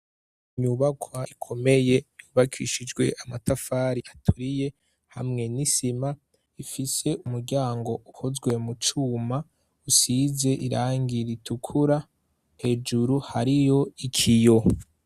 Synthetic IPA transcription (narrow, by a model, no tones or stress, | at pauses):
ɲuːβakʰwaikʰo̞me̞je̞juβakʰḭʃid͡ʒɡwe̞̰ʔamatafaːɾiʔatʰuɾije̞ | hamŋe̞nisima | ifise̞ʔumuɾɟaːŋɡo̞uhozɡwe̞mut͡ʃuːma | usize̞ʔiɾaːŋɡiɾitukʰuɾa | he̞d͡ʒuɾuhaɾijo̞ikʰijo̞